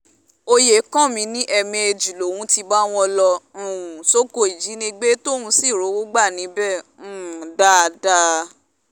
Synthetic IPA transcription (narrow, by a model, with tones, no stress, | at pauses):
o˧je˨˦kã˦˨mĩ˨˧˦nĩ˦ʔɛ˧mĩ˧e˧d͡ʒi˨lo˨wũ˨˦ti˧ba˦w̃ɔ̃˧lɔ̃˧˦˨ũ˨so˦ko˧˦i˨d͡ʒi˨˦nĩ˧ɡ͡be˦to˦˨hũ˧˦si˦˨ɾo˨˦wo˦ɡ͡ba˦˨nĩ˨˦bɛ̃˦˨˦ | da˦˧da˦